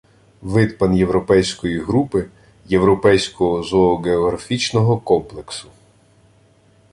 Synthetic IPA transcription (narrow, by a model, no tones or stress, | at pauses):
ʋɪd̪pɐnje̞wɾɔpɛjsʲkɔjiɦɾupɪ | jewɾɔpɛjsʲkɔɦɔzɔːɡeɔɦɾɐfʲit͡ʃnɔɦɔkɔmplˠeksʊ